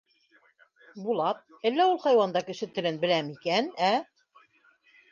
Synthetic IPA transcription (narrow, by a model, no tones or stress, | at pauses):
bulˠɑp̚ælːæulˠχɑjwɑnd̪ɑkɘ̆ʃɘt̪ɘ̆lɘnbɘ̆læmikænæ